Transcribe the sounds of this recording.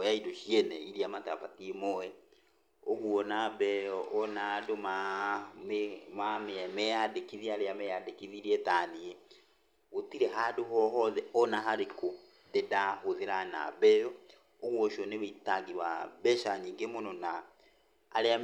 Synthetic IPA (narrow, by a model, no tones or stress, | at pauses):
ojaidoʃiɛnɛiɾiamata̰fatimɔɛ | oɣwɔnabɛɔnadomammameɛmɛjadekiðiaɾeamɛjadekiðiɾiɛtaːnie | ɣotiɾɛɦadoɦɔɦɔðɛɔnaɦaɾeko | dedahoðeɾana̰βɛjɔ | oɣwɔʃɔneβeitaɡiβabɛʃaɲiːŋɡemonɔna̰ː | lea